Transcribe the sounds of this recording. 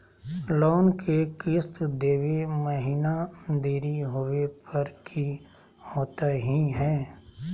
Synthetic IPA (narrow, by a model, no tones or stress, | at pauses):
loːnkʰekɪst̪d̪eːʋeməɦiːnad̪eːɾiɦoːʋepɐɾkʰi | hoːt̪aɦiɦɛː